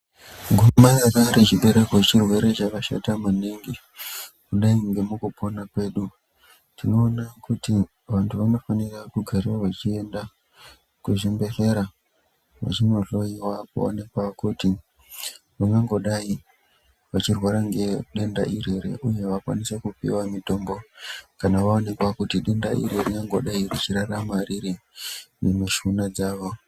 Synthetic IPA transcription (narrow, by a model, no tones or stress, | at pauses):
ɡumajakaɾet͡ʃiɓe̞ɾe̞ket͡ʃirwe̞ɾe̞t͡ʃakaʃa̰tamaneŋɡi | kuɗaiŋɡe̞mukupʰo̞nakwe̞ɗu | tino̞ːnakuti | ʋantʰuʋano̞fanirakuɡʱaɾiwaʋat͡ʃie̞nda | kuʐembe̞ɬe̞ɾa | ʋa̰t͡ʃinoɬo̞iwakṵo̰ne̞kwakuti | ʋaŋɡaŋɡo̞ɗai | ʋat͡ʃirwaɾaŋɡe̞ɗe̞nda̰ʔire̞ɾe̞̰ʔuje̞ʋakwa̰nisekupḭwamito̞ːmbo̞kanaʋaone̞kwakutiɗe̞ndaʔḭreriŋɡaŋɡo̞̰ɗairit͡ʃiɾaramariɾinemiʃunad͡zaːʋo̞